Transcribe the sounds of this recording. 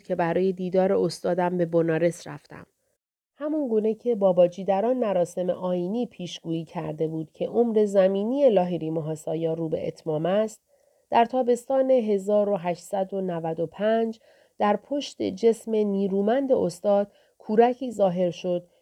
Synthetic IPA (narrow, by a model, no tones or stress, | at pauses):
cʰe̞bæɾɒːje̞d̪iːd̪ɒːɾe̞ost̪ɒːd̪æmbe̞bonɒːɾe̞sɾæ̰ft̪æ̰m | hæmuŋɡuːne̞cʰe̞bɒːbɒːd͡ʒiːd̪æɾɒːnmæɾɒːse̞mḛʔɒːjiːniːpʰiːʃɡ̥uːiːcʰæɾd̪e̞buːd̪̥cʰe̞ʔo̞mɾe̞zæmiːnije̞lɒːɦiɾiːmoɦɒːsɒːjɒːɾuːbe̞̰ʔḛt̪ʰmɒːmæst̪̚ | d̪̥æɾt̪ʰɒːbe̞st̪ɒːne̞ɦe̞zɒːɾo̞ɦæʃt̪sæd̪o̞nævæd̪o̞pʰænd͡ʒ | d̪̥æɾpʰo̞ʃt̪ḛd͡ʒe̞sme̞niːɾuːmænd̪e̞ost̪ɒːd̪̥ | kʰuːɾæcʰiːzɒːɦe̞ɾʃo̞d̪̥̚